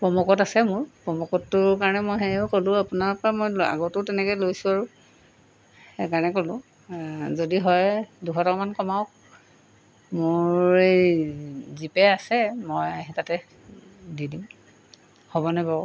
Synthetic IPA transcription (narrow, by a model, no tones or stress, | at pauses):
pɹɔmɔkɔtasɛmʊɹpɹɔmɔkɔtːʊɹkaɹɔnɛmɔjɦɛʊkolʊ̃apʊnaɹpɔɹamojla̰ɡɔtʊtɛnɛkɔjlojsʊ̃aɹʊ | hekaɹɔnɛkolʊ̃ | zodiɦɔjduxʰɔtakmankɔmaʊk̚ | mʊɹɹe | zipɛasɛmɔjɦɛtatɛ | didim | hobɔnaba